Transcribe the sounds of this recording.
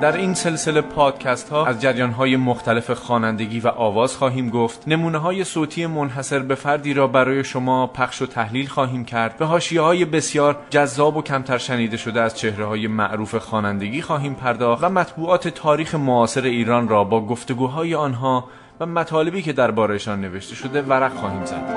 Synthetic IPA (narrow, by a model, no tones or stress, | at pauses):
d̪æɾiːnse̞lse̞le̞pʰɒːd̪̥̚cʰæst̪hɒːæzd͡ʒæɾjɒːnɦɒːje̞moxt̪ælefexɒːnænd̪e̞ɡʲiːvæʔɒːvɒːz̥xɒːɦiːmɡo̞ft̪ne̞muːneɦɒːje̞soːt̪ʰiːe̞monɦæse̞ɾbe̞fæɾd̪iːɾɒːbæɾɒːje̞ʃo̞mɒːpʰæχʃo̞t̪ʰæhliːlxɒːɦiːmcʰæɾd̪væɦɒːʃijehɒːje̞be̞sjɒːɾd͡ʒæzːɒːbo̞cʰæmt̪ʰæɾʃæniːd̪e̞ʃo̞d̪eæz̥t͡ʃʰe̞hɾehɒːje̞mæ̰ʔɾuːfe̞xɒːnænd̪e̞ɟiːxɒːɦiːmpʰæɾd̪ɒːxvæmæt̪ʰbuːɒːt̪ʰe̞t̪ʰɒːɾiːxe̞moɒːse̞ɾe̞iːɾɒːnrɒːbɒːɡo̞ft̪o̞ɡuːɦɒːje̞ɒːnɦɒː | væmæt̪ʰɒːle̞biːcʰe̞d̪æɾbɒːɾejeʃɒːnːe̞ve̞ʃt̪e̞ʃo̞d̪e̞væɾæɣxɒːhiːmzæ̰d̪̥